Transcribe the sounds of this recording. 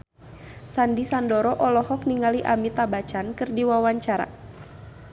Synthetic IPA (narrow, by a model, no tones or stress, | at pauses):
sandisandɔɾɔʔɔlɔhɔk̚niŋaliʔamit̪abat͡ʃankɨrdiwawaɲt͡ʃaɾa̰